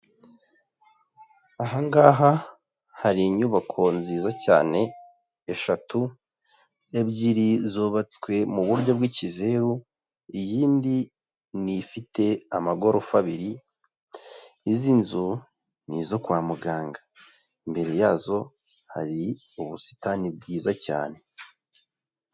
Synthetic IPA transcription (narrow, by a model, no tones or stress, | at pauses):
aɦaŋɡaːɦa | haɾiɲuβakʰo̞nziːzaca̰ːne̞ː | ʃatu | e̞bɟiɾizuβat͡skwe̞muβuɾɟo̞bɡwicize̞ɾu | ijiːndi | nifitʰe̞amaɡo̞ɾofaβiɾi | zinzu | nizo̞kwaːmuɡaːŋɡa | imbe̞ɾe̞jaːzo̞ | ha̰ɾi | uβusi̥tanib̚ɡiːzaca̰ːne̞